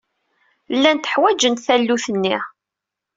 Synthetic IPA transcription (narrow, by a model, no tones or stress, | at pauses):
lːænt̪ə̥ħwæd͡ʒənt̪θælːuθənːiʁ